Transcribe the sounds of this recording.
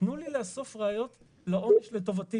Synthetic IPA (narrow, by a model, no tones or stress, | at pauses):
nulileaso̞fʁeajo̞t̪ | laʔoneʃleto̞vati